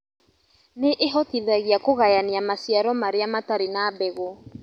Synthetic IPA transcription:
neʔeɦɔtiðɛɣiakoɣajaniamasiaɾɔmaɾeamataɾenabɛɣo

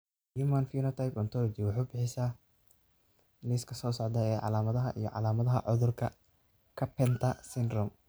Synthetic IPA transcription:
jɪmanfiːnɔt̪ʰajpɔnt̪ʰɔlɔt͡ʃɪwʊħuːbɪħɪsaː | lɪskʰɐsɔːsɔʕd̪ɐɛːʕɑ̰laːmɐðɐɦɐʔḭjɔ̰ʕɑ̰laːmɐðɐɦɐ̰ʕʊðʊrkʰɐ | kʰɐpʰɛnt̪ʰɐsɪnd̪rɔm

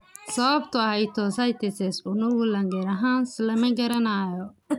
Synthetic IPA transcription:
sɐβɐbt̪ʰʊɐhɛjt̪ʰɔsɐjt̪ʰɛsɛsʊnʊɣʊlɐŋɡɐɾɐɦaːnslɐmɐɡɐɾɐnaːjɔ

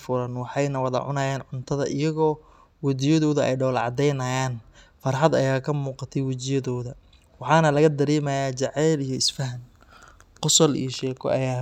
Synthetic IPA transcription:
fʊɾɐnwɑħɑjnɐwɑðɐ̰ʕʊ̰nɐːjaːnʕʊnt̪ʰɐðɐʔɪjɐɣɔː | wɐd͡ʒɪjɐðɔːðʊʔɛ̰jɖɔːlʕɑ̰d̪ɛjnɐjaːnfɐrħɑd̪ɐjaːkʰɐmuːqɑt̪ʰɛjwɪt͡ʃɪjɐðɔːðɐ | wɑħɑːnɐlɐɣɐd̪ɐɾɛːmɐjaːt͡ʃɑʕɛːlijɞɪsfɐɦɐn | qʊsɐlḭjɔʃɛːkʰɔ̰ʔɐ̰jaː

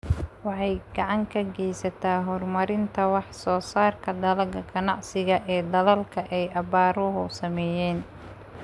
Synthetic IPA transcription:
wɑħɑjɡɑʕɑŋkʰɐɡɛjsɐt̪ʰaːɦɔrmɐɾɪnt̪ʰɐwɑħsɔːsaːrkʰɐd̪ɐlɐɣɐɡɐnɑʕsɪɣɐʔɛːd̪ɐðɐlkʰɐʔɛjʔɐbaːɾɔɦʊsɐmɛːjɛːn

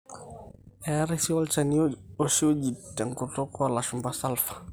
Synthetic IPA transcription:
ɛɾɛsiɔlt͡ʃanioʃiod͡ʒitːɛŋkutokɔalaʃumbasalfḁ

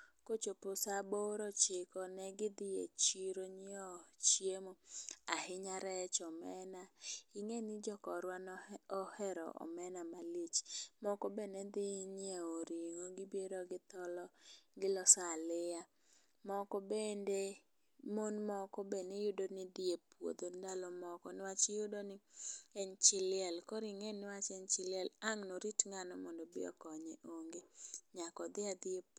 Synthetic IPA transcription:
kot͡ʃopʊsaboɾɔt͡ʃɪkɔnɛɡɪd̪ɪḛt͡ʃiɾoɲiɔt͡ʃjemoahɪɲaɾɛt͡ʃɔmɛnaiŋenɪd͡ʒɔkɔɾwanɔhɛɾɔ̰ʔɔ̰mɛnamalit͡ʃmɔkɔbenɛd̪ɪɲeoɾiŋoɡɪbjeɾoɡɪt̪ɔlɔɡɪlɔsalɪja | mɔkɔbende | monmɔkɔbenejʊdonɪd̪ɪepwo̰d̪ondalɔmɔkɔnɪwat͡ʃɪjʊdonɪɛɲt͡ʃɪlɪɛlkɔɾiŋenɪwat͡ʃɛɲt͡ʃɪlɪɛlaŋnoɾitŋanɔmɔndobɪ̰ɔ̰kɔɲeʔoŋɡeɲakɔd̪ɪad̪ɪep

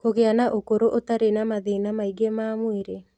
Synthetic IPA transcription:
koɡɪanaʔokoɾoʔot̪aɾenamaðɪnamaiɡemamwiɾe

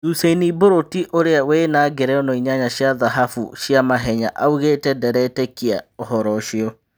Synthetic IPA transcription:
useniboɾotiʔoɾeawenaːɡeɾɛɔnɔiɲaɲaɕiaðaɦafṵɕiamaɦɛɲaʔauɣetɛdɛɾɛtɛkiaoɦɔɾɔʃiɔ

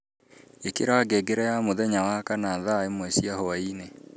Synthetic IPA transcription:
ekeɾaːɡɛɡeɾɛjamoðɛɲawakanaðaemwɛsiahɔaine

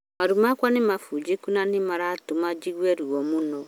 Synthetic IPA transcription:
maɾumakʷanimafud͡ʒekunanimaɾatumad͡ʒiɡwɛɾuɔmunɔ

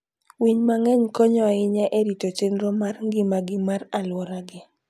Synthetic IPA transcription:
wiɲmaŋɛɲkɔɲɔaɪɲaʔeɾitot͡ʃenɾomarŋɡɪmaɡɪmaralwɔɾaɡɪ

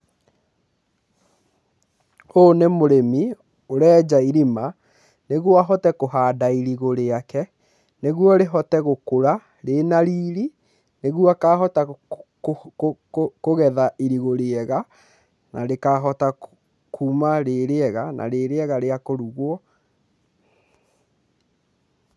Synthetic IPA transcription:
onemoɾemi | oɾɛːd͡ʑaiɾima | neɣwaɦɔtɛkoɦaːdaiɾiɣoɾeakɛ | neɣwɔɾeɦɔtɛɣokoɾa | ɾenaɾiːɾi | neɣwakaːɦɔta | koɣɛðaʔiɾiɣoɾeɛɣa | na̰ɾekaɦɔta | kʰuːmaɾeɾeɛɣanʔa̰ɾeɾeɛɣaɾeakoɾuɣwɔ

